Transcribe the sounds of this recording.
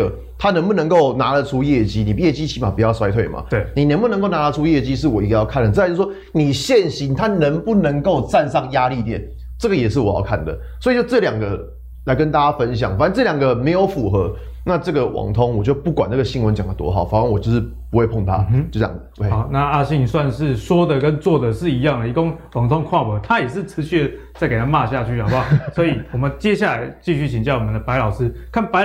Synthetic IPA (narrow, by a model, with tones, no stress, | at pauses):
ə˩ | t̪ʰa˦nə˧˥ŋbu˨˩nə˧˦ŋko˥˩ʊna˧˥lə˨ʈ͡ʂʰu˦˥jɛ˥˩t͡ɕi˥ni˨˩˦jɛ˥˩t͡ɕi˦˥t͡ɕʰi˧˥ma˨˩pu˨˩jɑ˥˩ʊswa˥ɪwe˥˩ɪma̰˩˦˩ni˨˩nə˧˦ŋbu˧nə˧˦ŋko˥˩ʊna˧˥lə˧ʈ͡ʂʰu˥jɛ˥˩t͡ɕi˦˥ʂ̬ɻ̩˥˩wɔ˨˩i˧˥ɡə˧jɑ˥˧ʊkʰa˥˩nd̪ə˩˥˧j̩˥˩ʂwoɔ˥ | ni˨˩ɕjɛ˥˨nɕi˧˥˦nt̪ʰa˦˥nə˧˥ŋpu˥˩nə˧˦ŋko˥˧ʊt͡sa˥˧nsɑ˥˨˩ŋja˦˥li˥˧t̪jɛ̰˨˩˦n | ʈ͡ʂɤ˥˩ɡə˨jɛ˨˩ʂɻ̩˥˩wɔ˨˩jɑ̰˥˧ʊkʰa˥˨˩nd̪ə̰˩ | swɔ˧˥i˨˩t͡ɕo˥˧ʊʈ͡ʂɤ˥˩˨ljɑ˨˩ŋɡə˨ | la˧˥ɪk̬ə˦nt̪a˥˩t͡ɕa˥fə˦nɕ̬jɑ˨˩˦ŋfa˨˦n˥˦nʈ͡ʂɤ˥˩ljɑ˨˩ŋɡə˨me˧˥ɪjo˧˥ʊfu˨˩xɤ˧˦ | na˥˧ʈ͡ʂɤ˥˩ɡə˨˩wʔɑ̰˨˩ŋt̪ʰo˦ŋwɔ˨˩t͡ɕjo˥˩ʊpu˥˩kwa˨˩na˥˩ɡə˩ɕi˥˩ŋwə˧˦nt͡ɕjɑ˨˩ŋd̪ə˩t̪wɔ̰˥xɑ˨˩˦ʊfa˨˦wa˥nwɔ˨t͡ɕjo˥˧ʊʂɻ̩˥˩ | pu˧˥xwe˥˧ɪpʰo˥˩ŋt̪ʰa̰˦t͡ɕo˥˩t͡ɕjɑ̰˨˩ŋ | e˥˩˨na˥˧a˥˧ɕi˥˧ŋswa˥˧nʂɻ̩˥˨ʂwɔ˥d̪ə˨kə˦nt͡swɔ˥˩d̪ə˨˩ʂɻ̩˥˩i˧˥jɑ˥˨˩ŋd̪ə˨˩i˧ko˥ŋwɑ˨˩ŋt̪ʰo˥ŋkʰwa˥˨pə˨˩t̪ʰa˦jɛ˨˩ʂɻ̩˥˩t͡sʰɹ̩˧˥˦ɕy˥˩˨t͡sa˥˩ɪke˨˩tʰa˥˧ma˥˧ɕja˥˧t͡ɕʰy˥˩a˨˩a˥˩sɔ˧˥i˨˩wɔ˨˩mə˨˦nt͡ɕje˥˦ɕja˥˩la˧˦ɪt͡ɕi˥˧ɕy˥˩t͡ɕʰi˨ŋt͡ɕjɑ˥˩ʊwɔ˨mə˨˦nd̪ə˩pa˧˥ɪlɑ˨˩ʊsɹ̩˦˥kʰa˥˩npa˧˦